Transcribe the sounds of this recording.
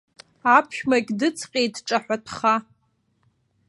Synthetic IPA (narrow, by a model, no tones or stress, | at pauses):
apʰʃᶣmakʲʼdɨt͡sʰqʲʼejtʈ͡ʂʼaħʷatʰχa